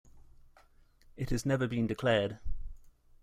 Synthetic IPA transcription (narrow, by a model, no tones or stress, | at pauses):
ɪthəznɛvəbĩndɪkʰl̥ɛːd̥